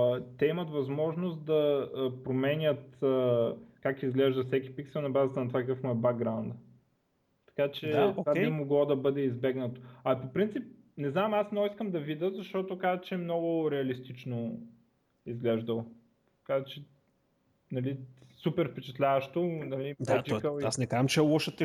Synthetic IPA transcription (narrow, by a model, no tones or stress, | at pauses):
t̪ɛimɐt̪vɐzmɔʒnost̪d̪ɐpɾomɛnʲət̪əkakizɡlɛʒd̪ɐfsɛkʲi̥piksɛlˠnɐbazət̪ɐnɐt̪vakəkɤfmʊɛbak̚ɡɾaʊnd̪ə | t̪ɐ̥kat͡ʃɛt̪vabimoɡlˠɔd̪ɐbɤd̪ɛizbɛɡnət̪o̥ɐpopɾint̪sip̚ | nɛznamasnɔiskəmd̪ɐvid̪əzɐʃt̪ɔt̪okazt͡ʃɛɛmnɔɡʊɾɛɐlist̪it͡ʃno | izɡlɛʒd̪əlˠ | t̪ɐkazɛt͡ʃɛ | nɐlisupɛɾfpɛt͡ʃɛ̥t̪lʲavəʃt̪onɐlid̪ɛtt͡ʃɔkəlˠiasnɛkaʒəmt͡ʃɛlˠɔʃət̪ɛ